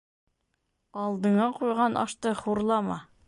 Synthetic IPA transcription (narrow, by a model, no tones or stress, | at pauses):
ɑlˠd̪ɤ̆ɴɑqujʁɑnʔɒ̰ʃt̪ɤχuɾlˠɑmɑ